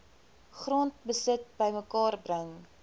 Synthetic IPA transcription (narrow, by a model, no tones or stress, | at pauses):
χrɔːnt̚bəsət̚bəjməkɑːrbrəŋ